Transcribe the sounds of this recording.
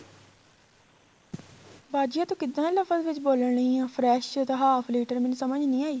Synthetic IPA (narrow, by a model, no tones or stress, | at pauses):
baːd͡ʒɪjãːt̪õːkɪd̪ːãːləfəzʋɪt͡ʃboːləɳĩːãːpʰɾɛːʃt̪aɦaːfʰliːʈəɾmɪnusəməd͡ʒnĩːaːiː